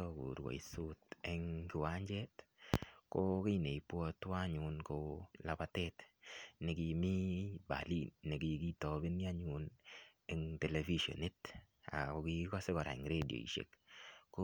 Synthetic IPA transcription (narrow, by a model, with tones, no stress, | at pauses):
ɔ˦kṵ˨ɾwɔ̰˨i˨su˦te˦ŋki˨wa˦ɲd͡ʒɛ˦t | ko˦ki˦ne˨i˨pwɔ˧twa˦ɲu˨nko˦la˨pa˨tɛ˦tnɪ˨ki˧mi˦ba̰˨li˦˨nːe˨ki˧ki˦tɔ˨be˦ni˦a˦ɲu˨ne˦ŋte˨le˨fi˦ʃo̰˨ne˦ta̰˨ko˨ki˧kɔ˦se˦kɔ˨ɾa̰˨ŋɾe˦di˨o̰˨ḭ˨ʃḛ˨kkːo˦